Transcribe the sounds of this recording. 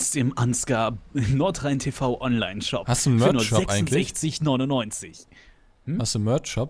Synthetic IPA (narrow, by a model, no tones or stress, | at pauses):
stɪmʔanskanɔɐtʁaɪntʰefaʊʔɔnlaɪnʃɔ̰phastunfmœɐnuɔɛsŋnlzɛçt͡sɪçnɔʏnʊnːɔʏnt͡sɪç | mm̩hastunmœɐtʃɔp